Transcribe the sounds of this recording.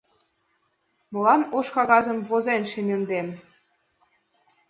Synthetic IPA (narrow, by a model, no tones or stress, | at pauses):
mɤ̆lɑnoʃkɑɣɑzə̆mvozenʃemʲĕnd̪em